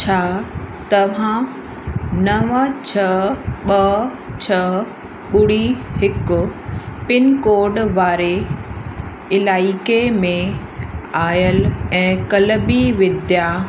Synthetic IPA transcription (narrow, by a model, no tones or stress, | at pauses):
t͡ɕʰaːt̪ɐʋ̤ã | nɐʋət͡ɕʰɐɓɐ | t͡ɕʰɐ | ɓʊɽiɦɪkʊpɪnkoːɾɖʋaːɾe | ɪlaːikemẽ | aːjəlɛ̃ːkɐləbiʋɪd̪ja